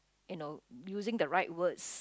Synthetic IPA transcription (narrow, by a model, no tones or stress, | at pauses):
inojuzɪ̃ŋdəɹaɪt̚wəds